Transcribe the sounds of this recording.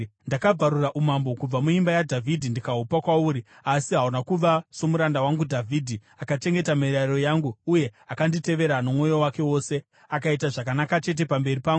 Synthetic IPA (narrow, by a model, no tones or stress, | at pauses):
ndakab͡vaɾuraʔumambo̞kub͡vamuimbajadʱavʱidʱindikaɦupakwauːɾi | asiɦaɦunakuʋaso̞muɾandawaŋɡudʱavʱiːdʱi | akat͡ʃe̞ŋɡe̞tameɾaiɾo̞jaːŋɡuuje̞akandite̞ʋe̞ɾanomwo̞jo̞wake̞wo̞ːse | akaitaʐakanakat͡ʃe̞t̬e̞pambe̞ripaːŋɡu